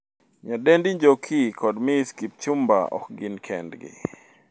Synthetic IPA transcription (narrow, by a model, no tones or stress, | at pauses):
ɲadɛndiɲd͡ʒokʰikʰɔdmiskip̚t͡ʃʊmba̰ɔ̰k̚ɡɪnkʰɛ̰ndɡɪ̰